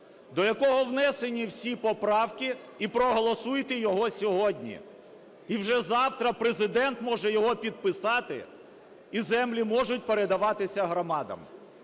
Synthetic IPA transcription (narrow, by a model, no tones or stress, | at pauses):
d̪ɔjɐkɔɦɔwnɛsenʲiwsʲipɔpɾɑwkʲi | ipɾɔɦɔlˠɔsujɪt̪ɪjɔɦɔsʲɔɦɔdʲnʲḭ | iwʒɛzɑwt̪ɾɐpɾezɪd̪ɛnt̪mɔʒɛjɔɦɔpʲid̪̚pɪsɑt̪ɪ̰ | izɛmlʲimɔʒʊtʲpeɾed̪ɐʋɑt̪ɪsʲɐɦɾɔmɑd̪ɐ̰m